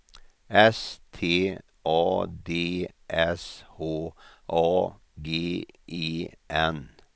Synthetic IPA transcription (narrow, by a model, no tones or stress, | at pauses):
ɛst̪ʰeː | ʔɑːd̪eː | ʔɛshoː | ʔɑː | ɡeːʔiːʔɛn